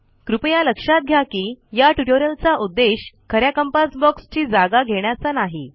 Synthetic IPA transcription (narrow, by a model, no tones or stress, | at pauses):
kɾupjaləkʂat̪̚ɡʱjakiːjaʈuʈoɾəlt͡saʔud̪ːeɕkʰəɾjakəmpasbɔkst͡ɕiːd͡zaɡaɡʱeɳ̃jat͡sanaɦi